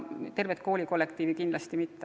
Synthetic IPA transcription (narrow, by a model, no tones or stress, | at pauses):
t̪e̞rvet̪ko̞ːlʲiko̞lːekt̪iːvikind̪lɑst̪imit̪ˑːe